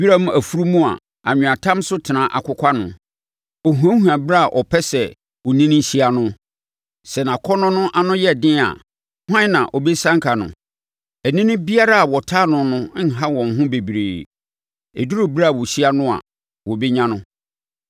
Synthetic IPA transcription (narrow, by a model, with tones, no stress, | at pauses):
bi˦ɾa˦m˦æ˨fu˦ɾu˦mũ˦a̰˨ | a˨ɲᶣʊ̃˨a˨tʰã˦msʊ˦tʰɪ˨nã˨ʔa̰˨kʰʊ˦kʷʰa˦nʊ̰̃˨ | ɔ˨ɦũ˨ã˦hu˨ã˨bɪ˦ɾa˦a˨ʔɔ˨pʰɛ˦sɛ˨ | ɔ˨nĩ˦nɪ̃˦ɕi˦a˨nʊ̃˦ | sɛ˨nã˨kʰɔ˦nʊ̃˦nʊ̃˦ʔa˨nʊ̃˦jɛ˦˨dɪ̃˦a̰˨ | hã˦nã˨ʔɔ˨bɛ˦sã˦ŋkʰa˨nʊ̰̃˨ | æ˨nĩ˦nʊ̃˦bi˦a˦ɾa˦a˨wɔ˨tʰaː˦nʊ̃˨nʊ̃˦n̩˦˨ɦa˦wɔ̃˨ŋ˨ɦʊ̃˦be˨bi˨ɾḛː˨ | ḛ˨du˦ɾo˦ba˦˨wɔ˨ɕi˦a˦nʊ̃˦a̰˨ | wɔ˨bɛ˦ɲã˦nʊ̃˦